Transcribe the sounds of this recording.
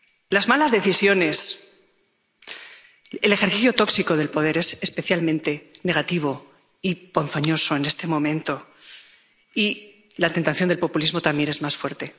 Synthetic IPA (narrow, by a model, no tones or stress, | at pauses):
lazmalazðe̞θisjo̞ne̞s | ele̞xe̞ɾθiθjo̞t̪o̞ksiko̞ð̞e̞lpo̞ð̞e̞ɾe̞sespe̞θjalmẽ̞nt̪e̞ne̞ɣat̪iβ̞o̞ | iponfaɲo̞so̞e̞ne̞st̪e̞mõ̞mẽ̞nt̪o̞ | i | lat̪e̞nt̪aθjond̪elpo̞pulizmo̞t̪amje̞ne̞zmasfwe̞ɾt̪e̞